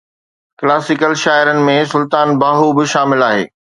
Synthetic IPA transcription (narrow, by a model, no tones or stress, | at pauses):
klaːsɪkəlʃaːɪɾənɪ̆mẽsʊlt̪aːnbaːɦubɪʃaːmɪlaːɦḛː